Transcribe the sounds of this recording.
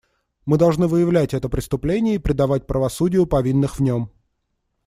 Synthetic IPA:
mɨd̪ɐlˠʐnɨvɨjɪvlʲætʲɛt̪əpɾʲɪst̪ʊplʲenʲɪjəipɾʲɪd̪ɐvat̚ʲpɾəvɐsudʲɪjʊpɐvʲinːɨxvnʲom

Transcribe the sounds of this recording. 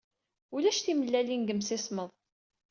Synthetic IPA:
ulæʃθiməlːælinɡəmsɪsməðˤ

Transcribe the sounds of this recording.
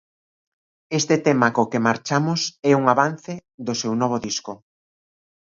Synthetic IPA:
est̪ɪt̪ɛmakokemaɾt͡ʃamʊsɛuŋaβan̟θeðʊsewnɔβoðiskʊ

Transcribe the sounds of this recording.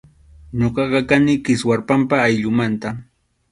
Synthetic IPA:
ɲoɢɑɢɑkanɪkɪswaɾpampaːjʎʊmant̪a

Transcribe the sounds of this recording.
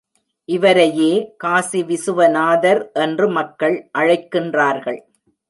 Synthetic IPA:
ʔɪʋɐɾɐjeːkaːsiʋɪsɯʋɐnaːðɐɾʔɛndrɯmɐkːɐɭʔɐɻɐɪkːɪndraːɾɣɐɭ

